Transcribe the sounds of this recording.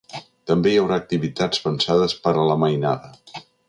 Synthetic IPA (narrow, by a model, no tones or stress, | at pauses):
t̪əmbejəwɾaːk̚t̪iβit̪ad͡zβənsaðəspəɾələməjnaðə